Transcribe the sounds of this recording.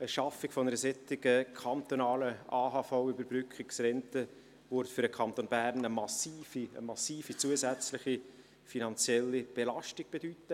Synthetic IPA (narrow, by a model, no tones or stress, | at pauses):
əʃɑfɪkfɔnəɾəsɛtɪɡəkʰɑnt̪onɑːləaːɦɑfaʊʏbəɾbɾʏkʰχɪksrɛntə | vyɾtfʏɾəkʰɑnt̪oːnb̥æɾnəmɑsiːfiə̰mɑsiːfit͡suəsæt͡slɪχi | finɑnt͡sjɛlːib̥elɑʃtɪɡ̥̚b̥edyːt̪ə